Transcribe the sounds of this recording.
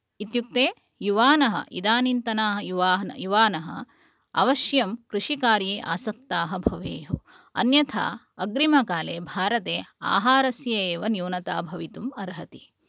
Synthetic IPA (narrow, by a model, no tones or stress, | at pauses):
it̪juk̚t̪eː | juʋaːnɐɦɐ̰ʔḭd̪aːnint̪ɐnaːɦɐjuʋaːn̰juʋaːnɐɦɐ̰ | ɐ̰ʋɐʃjɐmkɾuʃikaːɾiːʔa̰ːsɐk̚t̪aːɦɐbʱɐʋeːɦu | ɐ̰njɐt̪ʰa̰ː | ɐɡɾimɐkaːleːbʱaːɾɐt̪eːa̰ːɦaːɾɐsjɐeːʋɐnjuːnɐt̪a̰ːbʱɐʋit̪umɐɾɦɐt̪i